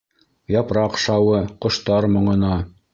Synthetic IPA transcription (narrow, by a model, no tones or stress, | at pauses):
jɑpɾɑqʃɑwɤqŏʃt̪ɑɾmŏɴɤ̆nɑ